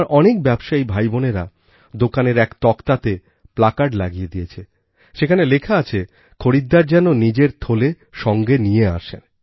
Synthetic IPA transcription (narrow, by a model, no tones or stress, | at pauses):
ɾʔɔnek̚bɛbʃaibʱajboneɾa̰ | d̪okaneɾɛkt̪ɔkt̪at̪e | plakaɖlaɡijed̪ijet͡ɕʰe | ʃekʰanelekʰaat͡ɕʰe | kʰoɾid̪ːaɾd͡ʑɛnonid͡ʑeɾt̪ʰole | ʃɔŋɡenijea̰ʃen